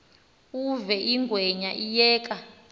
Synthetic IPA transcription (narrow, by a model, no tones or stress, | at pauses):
uvɛʔiŋɡʱwɛɲaʔijɛːkʼa